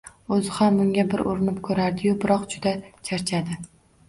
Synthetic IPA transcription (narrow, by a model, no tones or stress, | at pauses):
ɵzɪhamːʊŋɡʲabɪɾoɾɪnɪp̚kʰɵɾaɾd̪ɪjʊbɪɾɒqd͡ʒʊd̪at͡ʃʰaɾt͡ʃʰad̪ɪ